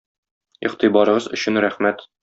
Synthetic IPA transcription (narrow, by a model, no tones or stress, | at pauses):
iqt̪ibɒɾɤ̆ʁɤzɵ̆ɕɘnɾæχmæt̪